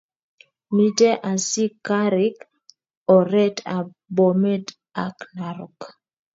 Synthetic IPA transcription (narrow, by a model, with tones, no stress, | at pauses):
mi˦tɛ˦ʔa˨si˦ka˦ɾi˦k | ɔ˨ɾɛ˦ta˨ | bo˨mɛ˦d | a˨kna˨ɾɔk